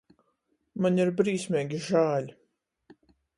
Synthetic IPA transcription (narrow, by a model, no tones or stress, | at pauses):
maɲiɾbɾiːsmʲeːɡʲiʒaːlʲ